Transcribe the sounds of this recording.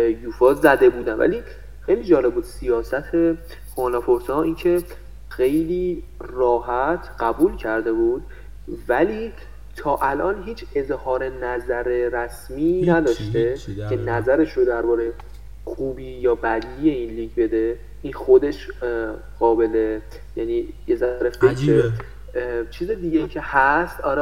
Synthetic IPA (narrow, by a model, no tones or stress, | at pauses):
juːfɒːzæd̪e̞buːd̪ænvæ̰li | xejliːd͡ʒɒːle̞b̚buːd̪sijɒːsæt̪ʰe̞ | honɒpʰoɾsɒːiːncʰe̞ | xe̞jliːrɒːhæt̪ʰɢæbuːlcʰæɾd̪e̞buːd̪̥̚ | væliː | t̪ʰɒːʔælʔɒːnɦiːt͡ʃʰe̞zhɒːɾe̞næzæɾe̞ɾæsmiːnæd̪ɒːʃt̪e̞e̞næzæɾe̞ʃɾod̪æɾbɒːɾej | xʰuːbiːjɒːbæd̪iːje̞iːnliːɟbe̞d̪e̞ | inxo̞d̪e̞ʃ | ɢ̥ɒːbe̞le | jæniːjezæɾefekʰɾe | t͡ʃʰiːzed̪iːɡejiːcʰe̞hæst̪ɒːɾɛ